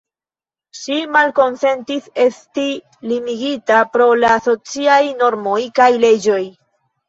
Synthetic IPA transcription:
ʃimalko̞nse̞ntise̞sti | limiɡitapɾo̞laːso̞t͡siajno̞ɾmo̞jkajle̞d͡ʒo̞j

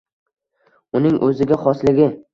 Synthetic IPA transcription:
ʊnɪŋʔɵzɪɡʲaχɒslɪɡʲɪ

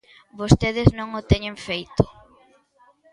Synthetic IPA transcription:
bost̪eðɪznõŋʊt̪eɲẽɱfejt̪ʊ̥

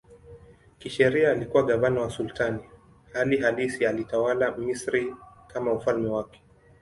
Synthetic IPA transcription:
kiʃɛɾiaːlikuwaɠavanawasultani | haliɦalisialitawalamisɾikamaufalmɛwakɛ̥

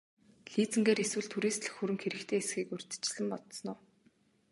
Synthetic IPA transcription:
ɮiːt͡sɘ̆ŋɡeːɾeswɘ̆ɮt̪ʰuɾiːst̪ɮɘ̆xxɵɾɘ̆ŋxeɾɘ̆kt̪ʰeːesxiːkɵr̥ʲt̪ɘ̥̆t͡ɕɪ̆ɮɘ̆mpɔt̪sɞ̆nʊː

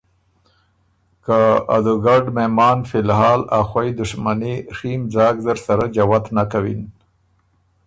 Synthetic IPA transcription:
kaa̰d̪uɡaɖmemɑːnfɪlɦɑːlaxwajd̪ʊʂmaniximd͡zɑːɡzəɾsaɾad͡ʒawat̪nakawḭn

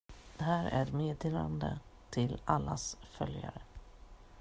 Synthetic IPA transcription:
d̪̥ɛɦæːɾæɾmeːd̪eːland̪ə̰t̪ʰɪlalːasfœljaɾə

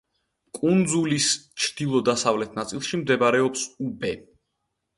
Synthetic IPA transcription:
kʼund̪zulist͡ʃʰd̪̥ilˠɔd̪asavlɛt̪ʰnat̪sʼilˠʃimd̪ɛbɾɛɔpsubɛ

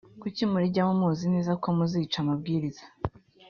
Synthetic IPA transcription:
kucimuɾiɟamumuːzineːzakomuzit͡ʃamabɡiːɾiz̥a

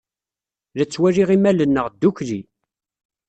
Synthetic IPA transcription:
ðæt͡sːwæɾiʁimælənːəʁd̪ːuçli

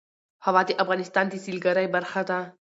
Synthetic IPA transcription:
hawɑd̪eʔafɣɑːnɪst̪ɑnt̪esilɡaɾajbaɾxad̪a

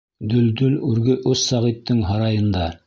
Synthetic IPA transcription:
d̪ɵld̪ɵlʉɾɡɵʔʉssɑʁit̪ːɘŋɦɑɾɑjɤ̆nd̪ɑ

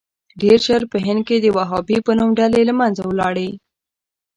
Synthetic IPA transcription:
ɖeɾʃaɾpəɦɪnd̪̚ked̪əwaɦɑbipənumɖalelamanzawlɑɽə

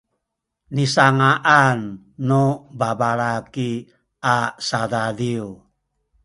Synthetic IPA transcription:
nisaŋaʔanː | ubabalaki | asadadiu

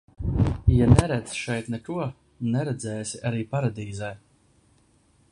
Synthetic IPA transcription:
janɛɾæd̪sʃɛjt̪nɛk̪uɔ | nɛɾɛd̪zɛːsiʔaɾiːpaɾad̪iːzɛj

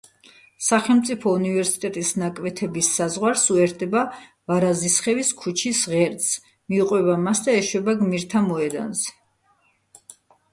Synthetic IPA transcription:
saχɛlmt̪sʼipʰɔunivɛɾsi̥t̪ʼɛt̪ʼisnakʼvɛt̪ʰɛbisːazʁwaɾsuɛɾd̪ɛba | vaɾazisχɛviskʰut͡ʃʰisʁɛɾt̪s | miuqʼwɛβamasd̪aɛʃwɛbaɡmiɾt̪ʰamɔɛd̪a̰nzɛ

